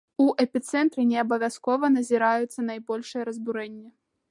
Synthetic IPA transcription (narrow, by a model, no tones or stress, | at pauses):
uʔɛpʲit̪sɛnt̪ɾɨnʲɛɐbɐvʲjaskɔvɐnɐzʲiɾajut̪sːɐnajbɔlʲʂɨjɛɾɐzbuɾɛnʲːɛ